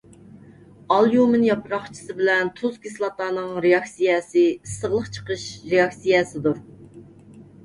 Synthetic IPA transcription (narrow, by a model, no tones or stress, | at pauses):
ɑlˠjumɪnjɑpʰɾɑχt͡ʃʰə̥sɨbɪlɛnt̪ʰuzkʲislˠɑt̪ɑːnɨŋɾeɑksijɛsɨsəʁlˠəχt͡ʃʰə̥qəʃɾeɑksijɛsɪd̪uɾ